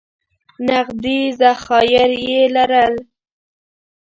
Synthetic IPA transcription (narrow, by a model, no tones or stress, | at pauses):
naɣd̪izaxɑjɪɾjelaɾəl